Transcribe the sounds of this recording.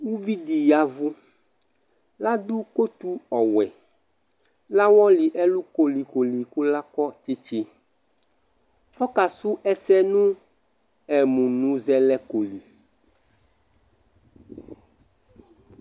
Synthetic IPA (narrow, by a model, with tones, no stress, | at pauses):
wu˦vi˦di˨ja˦vu˦ | la˦d̪u˦ko˦t̪u˦ɔ˨wɛ˨ | la˦wɔ˦li˨ʔɛ˦lu˦ko˨li˨ko˨li˨ku˦la˦kɔ˦t͡ʃe˦t͡ʃi˦ | ɔ˦ka˨su˦ʔɛ˦sɛ˦nũ˦ | ɛ˨mũ˨nũ˨zɛ˦lɛ˦ko˨li˨